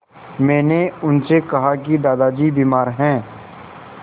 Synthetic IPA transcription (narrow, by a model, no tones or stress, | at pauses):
mɛ̃ːneʊnsekɐɦak̬id̪aːd̪ad͡ʒiːbiːmaːɾɦɛ̃ː